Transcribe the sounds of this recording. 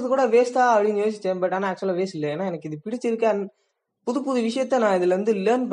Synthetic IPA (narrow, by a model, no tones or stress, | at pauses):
ɐðɯkuːɽɐʋeːst̪aːɐpɐɽɪŋɯʋeːs̬ɪt͡ʃːeːbɐʈːaːnaːk̚t͡ʃɐlaʋeːsɪlːɐeːnaːɛnɐkːɪðɯpɪɽɪt͡ʃːɪɾɯkːẽn | pʊðupːʊðɯʋɪʂɐjɐt̪ːɛnãːɪðɪlʋɐnd̪ɯleːnp